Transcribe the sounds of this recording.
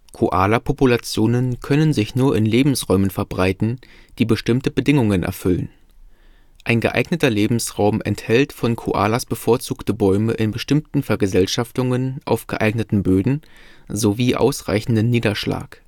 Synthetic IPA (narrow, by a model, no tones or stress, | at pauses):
kʰoʔaːlapʰopulat͡sjoːnənkʰœnənzɪçnuːɐʔɪnleːbm̩sʁɔʏmənfɛɐbʁaɪtn̩d̥iːbəʃtɪmtəbədɪŋʊŋənʔɛ̰ɐfʏlən | ʔaɪnɡəʔa̰ɪɡnətɐleːbm̩sʁaʊmʔɛ̰nthɛltfɔnkʰo̰ʔa̰ːlasb̥əfoːɐt͡suːktəbɔʏməʔɪnbəʃtɪmtn̩fɛɐɡəzɛlʃaftʊŋənʔaʊfɡ̥ə̰ʔaɪɡnətn̩bøːdn̩zoviːʔa̰ʊsʁ̥a̰ɪçn̩dənːiːdɐʃla̰ːk